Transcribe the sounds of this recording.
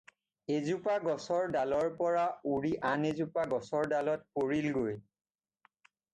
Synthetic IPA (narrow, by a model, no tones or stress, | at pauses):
ezupaɡɔsɔɹdalɔɹpɔɹauɹiʔanezupaɡɔsɔɹdalɔt̚poɹilɡoj